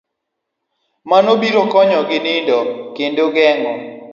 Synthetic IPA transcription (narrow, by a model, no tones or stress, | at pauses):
manobiɾɔkɔɲɔɡɪnɪndɔkendoɡɛŋɔ